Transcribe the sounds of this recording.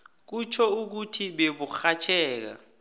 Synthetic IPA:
k̬ut͡ʃʰɔuk̬utʰiɓeɓuxat͡ʃʰɛːk̬a̰

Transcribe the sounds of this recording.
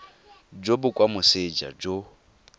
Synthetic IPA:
d͡ʒobʊkʼwamʊsed͡ʒa̰d͡ʒo

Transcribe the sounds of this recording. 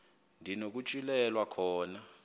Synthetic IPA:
ndʱinok̬ut͡ʃʼilɛlwakʰɔːna

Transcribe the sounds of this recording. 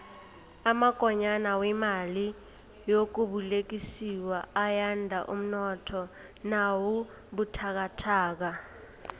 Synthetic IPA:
amaɡ̥ʱɔɲanawɛmali | jok̬uɓulek̬isiwaajandʱa̰ʔum̩nɔtʰɔ | nawu | ɓutʰak̬atʰaːk̬a

